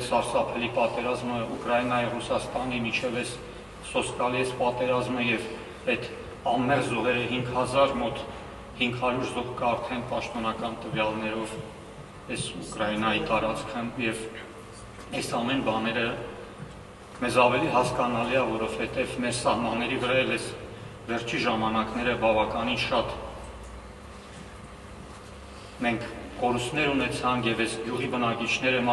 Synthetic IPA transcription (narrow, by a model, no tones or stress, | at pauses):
sɑɾsɑpʰɛlipɑt̪ɛɾɑzməukɾɑjinɑjirusɑst̪ɑnimit͡ʃʰɛvɛs | sɔskɑliɛspɑt̪ɛɾɑzməjɛv | ɛt̪ | ɑnːɛʁzɔɦɛɾəɦiŋɡhɑzɑɾmɔt̪ | hiŋɡhɑɾuɾzɔʁkəɑɾt̪ʰɛnpɑʃt̪ɔnɑkɑnt̪əvjɑlnɛɾɔv | ɛsukɾɑjinɑjit̪ɑɾɑt͡skʰəjɛv | ɛsɑmɛnbɑnɛɾə | mɛzɑvɛliɦɑskɑnɑliɑvɔɾɔvhɛt̪ɛvmɛɾsɑhmɑnːɛɾivəɾɑjɛlɛs | vɛɾt͡ʃʰiʒɑmɑnɑknɛɾəbɑvɑkɑninʃɑt̪ | mɛŋkʰkɔɾust̪nɛɾunɛt͡sʰɑŋkʰjɛvɛsɡjuʁibənɑkit͡ʃʰnɛɾəm